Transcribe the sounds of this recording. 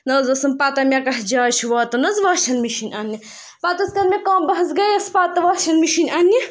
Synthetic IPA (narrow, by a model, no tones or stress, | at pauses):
nɐːzɐsɐmpaːt̪ɐmʲakɐɦd͡ʒaːt͡ʃʰuʋaːt̪ɐnɐzʋaːʃʰɐlmiʃinʲanːi | paːt̪ɐskɐɾmʲekaːmbɐɦɐsɡɐjɐspaːt̪ɐʋaːʃʰɐlmiʃinʲanːi